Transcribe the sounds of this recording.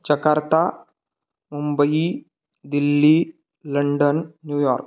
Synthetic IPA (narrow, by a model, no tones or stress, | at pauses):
d͡ʒɐkaɾt̪a | mumbəji | d̪ilːi | ləɳɖənːjuːjɔɾk